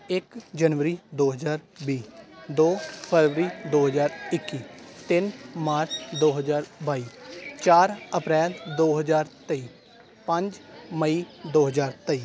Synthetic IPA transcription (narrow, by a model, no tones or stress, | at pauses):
ɪkd͡ʒənʋəɾiːd̪oːɦəzaːɾbiːd̪oːpʰəɾʋəɾiːd̪oːɦəzaːɾɪkːiːt̪ɪnmaːɾt͡ʃd̪oːɦəzaːɾbaːiːt͡ʃaːɾəpɾɛːld̪oːɦəd͡ʒaːɾt̪əiː | pə̃ɲd͡ʒməiːd̪oːɦəzaːɾt̪əiː